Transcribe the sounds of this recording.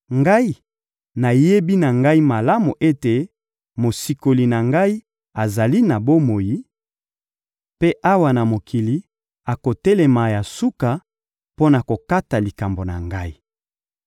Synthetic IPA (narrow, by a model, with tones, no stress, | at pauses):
ŋɡa˦i˦ | na˨je˦bi˦na˨ŋɡa˦i˦ma˨la˦mu˨ʔe˦te˨ | mo˨si˨ko˨li˨na˨ŋɡa˦i˦ | a˨za˨li˦na˨bo˦mo˨ji˦ | pe˦ʔa˦wa˨na˨mo˨kʰi˨li˨˦ | a˨ko˨tɛ˦le˨ma˨ja˨su˦ka˨ | po˦na˨ko˨ka˦ta˨li˨ka˨mbo˨na̰˨ŋɡa˦i˦